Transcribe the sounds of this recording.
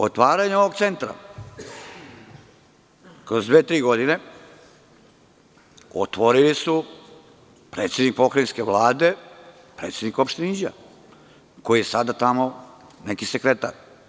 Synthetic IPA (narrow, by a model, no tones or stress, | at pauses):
ot̪ʋaːɾaɲeoʋoɡ̚t̪sent̪ɾa̰ | kɾozd̪ʋeːt̪ɾiːɡo̞d̪ine̞ | o̰t̪ʋo̞ɾilisu | pɾet̪sʲe̞d̪nik̚pokɾainskeʋlˠaːd̪e̞ | pɾe̞ːt̪sʲenikopʃt̪enid͡ʑa̰ | ko̞jijesad̪at̪amonekisekɾet̪a̰ɾ